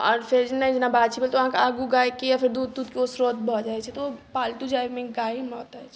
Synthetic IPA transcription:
ɔ̰ːɾpʰeɾd͡ʒnaĩd͡ʒenabat͡ʃʰibelt̪oʋəɦãkeaɡuɡajkejapʰeɾd̪ud̪ːud̪̚keosɾot̪̚bʱɔd͡ʒaɛt͡ʃʰɛt̪opalʈud͡ʒamẽɡaimɔːt̪aɛt͡ʃʰ

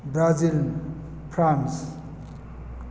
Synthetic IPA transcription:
bɾaziln | pʰɾans

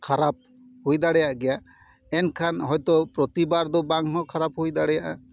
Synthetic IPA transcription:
kʰaɾap̚ | hujd̪aɽɛjaʔɡɛja | ɛnkʰanɦɔjt̪ɔpɾɔt̪ibaɾd̪ɔbaŋɦɔkʰaɾaphujd̪aɽɛjaʔa

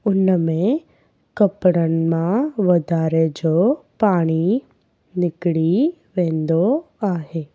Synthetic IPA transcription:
ʊnəmẽ | kɐpɽənmãʋɐd̪ʱaːɾed͡ʒopaːɽ̃i | nɪkɽiʋẽːnd̪o | aːɦeː

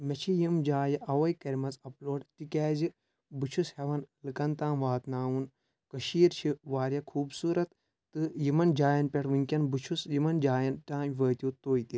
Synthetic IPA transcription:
mɐt͡ʃʰijimd͡ʒaːjɐʔɐʋɐjkɐɾʲmɐzɐploːɖtikɛːzɨ | bɨt͡ʃʰusheʋɐnlɨkɐnt̪aːnʋaːt̪naːwun | kɐʃiːɾt͡ʃʰiʋaːɾʲjɐkʰuːbsuːɾɐt̪ː | ɨjimɐnd͡ʒaːjɐnpʲeʈʰʋɨŋkʲɐnbɨt͡ʃʰusjimɐnd͡ʒaːjɐnʈaːmʲʋəːt̪ʲjuːt̪oːjt̪i

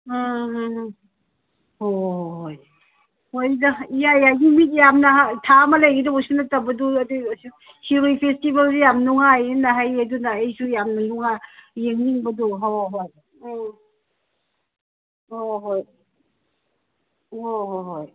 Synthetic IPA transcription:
hoɦoj | hojdaijajajɡimit̬̚jamnɐɦatʰamalejɡidausinatabɐduadis | siɾojpʰestibalzijamnuŋajinaɦajɐdunaejsujamnɐluŋajeŋniŋbɐduɦoɦoj | oɦoj | oɦoɦoj

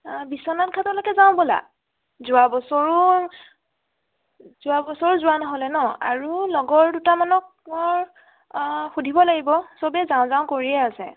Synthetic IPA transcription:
bisɔnankʰatɔlɔkɛzaʊ̃bɔla̰ | zʊabɔsɔɹu | z̥ʊabɔsɔɹzʊwanɔɦɔlɛnɔa̰ɹulɔɡɔɹdutamanɔk̚ɔɹ | xudʱibɔlaɡibɔsɔbɛzãʊ̃zaʊ̃koɹiɛasɛ̰

